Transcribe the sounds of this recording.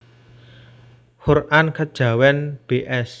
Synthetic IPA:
hurʔankad̥ʒ̥ä̤wɛnb̥eʔɛs

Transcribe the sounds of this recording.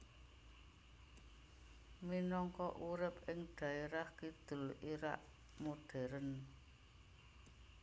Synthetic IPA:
minɔŋkɔʔuɾɪp̚ɪŋɖ̪̥ä̤eɾahkid̪̥ʊ̤liɾa̰ʔ | moɖ̥ɛ̤ɾən

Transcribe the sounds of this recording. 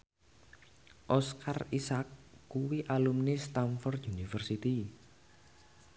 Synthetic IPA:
ʔɔskʰarisakːuwiʔalumnist̪amfɔrt̪junifərsit̪i

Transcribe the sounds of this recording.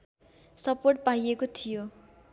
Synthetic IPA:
sʌporʈ̚paiekot̪ʰijo

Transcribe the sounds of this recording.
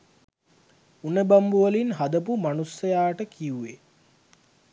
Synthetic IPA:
unəbambuʋəlinɦad̪əpumanusːɐjaːʈəkiue

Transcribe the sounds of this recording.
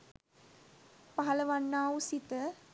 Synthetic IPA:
paɦɐlɐʋanːaːusit̪ə

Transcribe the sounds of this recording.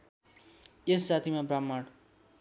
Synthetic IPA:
essat̪ʰimabramːaɽ

